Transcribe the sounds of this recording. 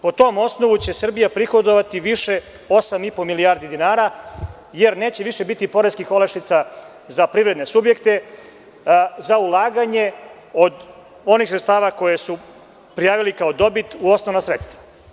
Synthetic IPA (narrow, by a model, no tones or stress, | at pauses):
po̞t̪o̞ːmo̞sno̞ʋut͡ɕe̞sr̩bijapɾixo̞d̪oʋat̪iʋiʃe̞ | o̞samipo̞milijaːɾd̪id̪inaːɾa | je̞ɾne̞ːt͡ɕeʋiʃe̞bit̪ipo̞ɾeskixo̞laʃit̪sa | zapɾivɾe̞d̪nesubje̞kt̪e̞ | zaulˠaːɡaɲe | o̞d̪ | o̞nixsɾet̪st̪aːʋako̞je̞su | pɾijaːʋilikao̞d̪o̞bit̪uo̞snoʋnasɾet̪st̪ʋa